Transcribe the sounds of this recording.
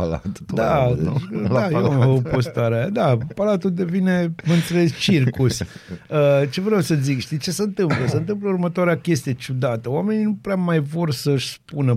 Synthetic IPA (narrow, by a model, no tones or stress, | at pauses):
ala̰t̪u̥d̪a | d̪ajeamopost̪aɾead̪apalat̪uld̪e̞vine̞məɨnt̪sulest͡ʃirkusʲət͡ʃe̞vɾeawsəzikʃt̪it͡ʃe̞səɨnt̪ɨmpləsəɨnt̪ɨmp̬ləurmət̪oaɾeakʲe̞st̪ijet͡ʃud̪at̪əoame̞ninupɾeamajvo̞rsəʃʲspunə